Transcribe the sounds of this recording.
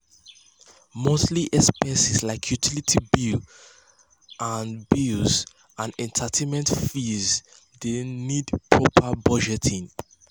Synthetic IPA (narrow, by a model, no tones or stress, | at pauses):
mosliʔɛspɛsislaɪkʰjutʰilitʰibi | ʔãnbiz | ãnɛ̃ntʰatʰemɛ̃ntfiz | denidpʰɹɔpʰəbɔd͡ʒɛtʰĩŋ